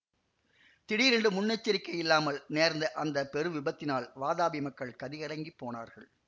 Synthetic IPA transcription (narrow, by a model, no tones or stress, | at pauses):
t̪ɪɽiɾɛɳɖɯmʊnːɛt͡ʃːɪɾɪkːɐjɪlːaːmɐlneːɾnd̪ɐʔɐnd̪ɐpɛɾɯʋɪbɐt̪ːɪnaːlʋaːðaːbɪmɐkːɐɭkɐðɪɣɐɽɐŋɡipːoːna̰ːɾɣɐɭ